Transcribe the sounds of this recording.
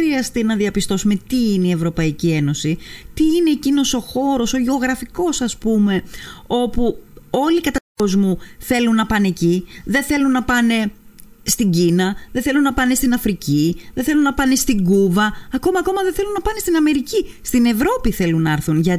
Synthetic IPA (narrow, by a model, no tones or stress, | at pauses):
ɾiɐst̪inɐðiɐpist̪o̞sume̞t̪iineie̞vɾo̞pɐicie̞no̞sit̪iine̞ːcino̞so̞xo̞ɾo̞so̞ʝeo̞ɣɾɐfiko̞sɐspume̞o̞puo̞likɐt̪ɐt̪uko̞zmuθe̞lunːɐpɐneciðe̞nθe̞lunːɐpɐne̞st̪iɲɟinɐðeθe̞lunːɐpɐne̞st̪inɐfɾiciðeθe̞lunːɐpɐne̞st̪iŋɡuvɐːko̞mɐːko̞mɐðeθelunːɐpɐnest̪inɐme̞ɾicist̪ine̞vɾo̞piθe̞lunːɐɐɾθunʝɐ